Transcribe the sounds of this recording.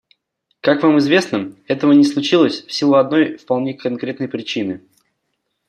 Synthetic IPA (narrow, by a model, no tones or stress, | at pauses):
kakvamɨzvʲe̞snəɛt̪əvənʲɪslˠʊt͡ɕilˠəsʲfsʲilˠoɐd̪no̞jfpɐlˠnʲekɐnkɾʲet̪nəjpɾʲɪt͡ɕinɨ